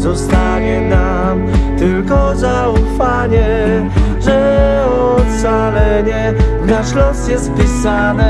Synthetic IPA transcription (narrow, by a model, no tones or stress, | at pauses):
zɔst̪aɲɛna | mt̪ɘlkɔza | ufaɲɛ | ʐɛɔ | t̪̚t̪salɛɲɛ | naʂlɔsjɛst̪̚pʲisanɛ